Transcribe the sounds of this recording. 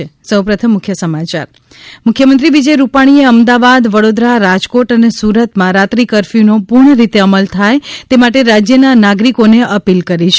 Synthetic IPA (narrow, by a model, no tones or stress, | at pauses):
esəwpɾət̪ʰəmːʊkʰjəsəmat͡ʃa̰ɾ | mʊkʰjəmənt̪ɾiʋid͡ʒəjɾupaɽ̃ieəmd̪aʋad̪ʋəɽod̪ɾaɾad͡ʒkoʈənesuɾət̪mãɾat̪ɾikəɾfinopuɾɳ̃əɾit̪eəməlt̪ʰajt̪emaʈeɾad͡ʒjənanaɡɾikoneəpilkəɾit͡ʃʰ